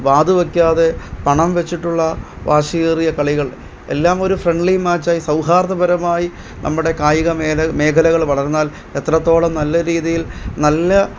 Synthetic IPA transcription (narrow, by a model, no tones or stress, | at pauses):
ʋaːd̪uʋɐkʲːaːðe̞pɐɳɐmʋe̞t͡ɕːiʈːuɭːɐ | ʋaːʂijrijɐkɐɭiɣɐɭ | e̞̰lːaːmo̞ɾufre̞ɳɖɭimaːt͡ɕːaːjisɐwɦaːɾðɐbɐɾɐmaːji | nʔɐ̰mːuɽe̞kaːjiɣɐmeme̞ːkʰɐlɐɣɐɭʋɐɭɐɾunːaːl | e̞t̪rɐt̪ːo̞ːɭɐmnɐlːɐɾiːðijilnɐlːɐ